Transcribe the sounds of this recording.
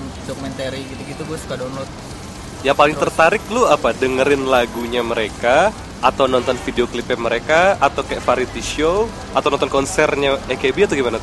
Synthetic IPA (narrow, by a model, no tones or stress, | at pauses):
dokumɛnt̪eɾiɡit̪uɡit̪ubuasu̥kadonlɔt̪̚ | jaŋpalɪŋt̪ərt̪aɾɪklʊapadəŋəɾɪnlaɡuɲaməɾeka | ʔːt̪awnɔnt̪ɔnfideoklipɛməɾekaat̪awkaafaɾit̪iʃow | at̪awnɔnt̪ɔnkɔnsɛrɲaekebiat̪uɡimanat̪